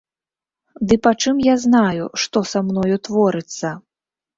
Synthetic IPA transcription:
d̪ɨpat͡ʂɨmjaznajṵʂt̪ɔsamnɔjut̪vɔɾɨt̪sːɐ

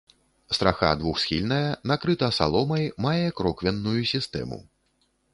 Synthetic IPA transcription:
st̪ɾʔaxa̰d̪vuxsxʲḭlʲnɐjɐnakɾɨt̪ɐsa̰lˠɔmɐjmajɛkɾɔkvʲɛnːujusʲist̪ɛ̰mṵ

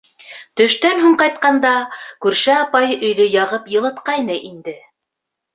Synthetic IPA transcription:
t̪ɵ̆ʃt̪ænɦuɴqɑjt̪̚qɑnd̪ɑkʉɾʃæɑpɑjɵ̆jðɵjɑʁɤpjɤ̆lˠɤ̆t̪qɑjnɤʔind̪ɘ

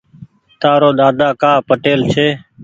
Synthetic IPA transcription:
t̪aːɾoːɗ̪aːd̪ʱaːkaːpəʈeːlt͡ʃʰeː

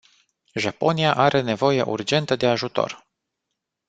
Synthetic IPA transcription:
ʒapo̞niaʔaɾʔe̞ne̞vo̞je̞ʔṵrd͡ʒe̞nt̪əd̪e̞aʒut̪o̞̰r

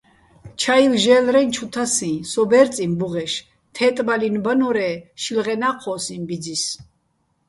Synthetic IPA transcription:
t͡ʃʰailʒɛːlɾɛnt͡ʃʰut̪ʰasĩːsɔbɛɾt͡sʼimbuʁɛʃ | t̪ʰɛt̪ʼbalinbanɔɾɛːʃilʁɛnaqʰɔsĩmbid͡zis

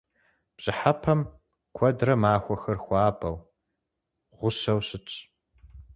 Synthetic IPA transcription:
b̥ɕʼɪħapʰɐm | kʷʰɔdrɐmaːxʷɔxɐrxʷaːbʼɐw | ʁʷʊɕɐwɕɪt͡ʃʼ

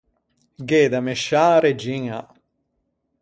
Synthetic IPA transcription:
ɡeːd̪ameʃaːɾed͡ʒiŋa

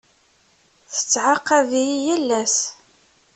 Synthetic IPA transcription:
θə̥t͡sːʕaqːɑvijijælːæs

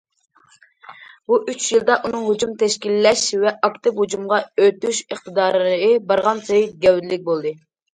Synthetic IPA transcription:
buʔyt͡ʃʰjilˠd̪ɑʔunɨŋɦod͡ʒumt̪ʰɛʃkʲilːɛʃvɛʔɑkt̪ɪphud͡ʒumʁɑøt̪yʃəχt̪ʰɨd̪ɑːɾəbɑɾʁɑnsejɡʲɛwd̪ɪlɪk̚ʲbolˠd̪ɨ

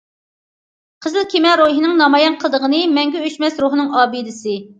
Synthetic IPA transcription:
qʰəzɨlˠkʲʰimɛɾoɦinɨŋnɑmɑjɑnqʰəlˠd̪əʁənɨmɛŋɡʲɛøʃmɛsɾuɦnɨŋɑːbɨd̪ɪsɨ

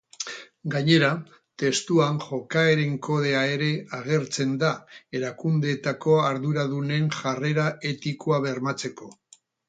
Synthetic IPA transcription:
ɡaɲe̞ɾa | t̪e̞st̪uanʝo̞kae̞ɾe̞ŋko̞ðe̞ae̞ɾe̞aɣ̞e̞ɾt͡se̞nd̪ae̞ɾakund̪e̞t̪ako̞aɾðuɾaðune̞ŋʝare̞ɾae̞t̪ikoaβ̞e̞rmat͡se̞ko̞

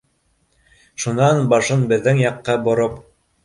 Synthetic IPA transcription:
ʃunɑnbɑʃɤnbɘ̆ðːɘŋjɑqːɑbŏɾop

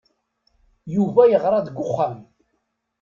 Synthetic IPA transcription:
juvæjəʁɾˤɑd̪əɡʷːʊχːam

